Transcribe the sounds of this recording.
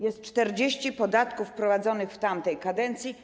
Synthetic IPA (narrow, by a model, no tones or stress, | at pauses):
jɛst̪̚t͡ʂt̪ɛɾd͡ʑeɕt͡ɕipɔd̪at̪kufpɾɔvad̪zɔnɘxft̪amt̪ɛjkad̪ɛnt̪sʲji